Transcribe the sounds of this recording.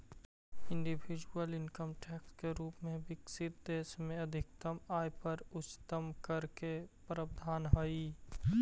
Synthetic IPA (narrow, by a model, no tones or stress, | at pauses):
ɪ̃ɳɖibʱid͡ʒuəlɪnkəmʈeːkskeɾuːpmẽbɪksɪt̪̚d̪eːsmẽəd̪ʱɪk̚t̪əmaːjpəɾʊt͡ʃːt̪əmkəɾkepɾəb̚d̪ʱaːnɦəi